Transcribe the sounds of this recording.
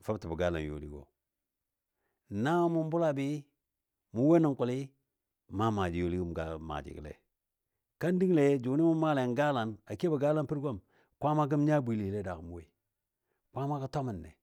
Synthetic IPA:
fa˦bti˨bu˨ɡa˦la̰˨n˨jo̰˦lḭ˦ɡo̰˨ | na˦mu˦m˦bu˦la˦bi˦ | mu˨˦we˦ni˨ŋku˨li˦ | ma˦ma˨d͡ʒi˨jo˦li˦ɡu˦m˨ɡa˦ma̰˨d͡ʒḭ˨klḛ˨ | ka˦ndi˦ŋle˨˦d͡ʒu˨˦ni˦mu˦ma˦le˨ŋɡa˦la˨na˨ke˦ba˨ɡa˦la˦npi˦ɾɡo˦˨m | kʷa˦ma˦ɡ̬i˦m˦ɲa˦bi˨li˨le˦da˨ku˨mu˦we˦i˨ | kʷa˦ma˦ka˦to˦mi˨nːḛ˨

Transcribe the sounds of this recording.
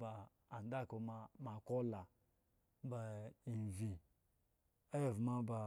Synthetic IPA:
ba˨ | a˨n˦da˦˨ko˨ma˦ma˨ko˦la˨ | ba˨i˨vi˨ | e˦˨vma˦ba˨

